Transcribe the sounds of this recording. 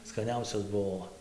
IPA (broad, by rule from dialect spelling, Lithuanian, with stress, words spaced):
skɐˈnʲɛʊsʲoːs ˈbuɔ